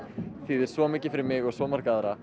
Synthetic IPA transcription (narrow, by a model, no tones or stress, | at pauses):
θiːðɪɾ̥svɔmɪːcɪ̥fɪɾɪɾmɪɣɔɣsvɔːmaɾ̥kaðɾa